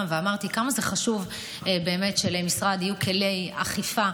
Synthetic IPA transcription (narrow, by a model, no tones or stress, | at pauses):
mveamaʁt̪ikamazeχaʃuv | be̞ːme̞tʃelemisʁad̪ijukʰele̞ja̰χifa